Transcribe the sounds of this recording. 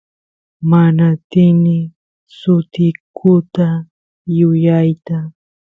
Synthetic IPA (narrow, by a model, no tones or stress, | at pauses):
manat̪ɪnɪ | sʊt̪ɪkʰʊt̪a | jʊjajt̪a